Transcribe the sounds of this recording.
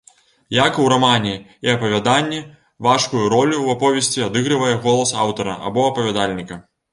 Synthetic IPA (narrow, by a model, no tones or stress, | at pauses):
jakuwɾamanʲiiɐpɐvʲad̪anʲːi | vaʂkujuɾɔlʲuwapɔvʲɛsʲt͡sʲiad̪ɨɣɾɨvɐjɛɣɔlˠɐsa̰wt̪ɐɾɐ̰ʔa̰bɔɐpɐvʲad̪alʲnʲikɐ